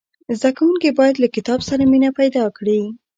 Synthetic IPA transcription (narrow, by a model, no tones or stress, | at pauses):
zd̪akawuŋkibɑjad̪lakɪt̪ɑbsaɾaminapajd̪ɑkɽi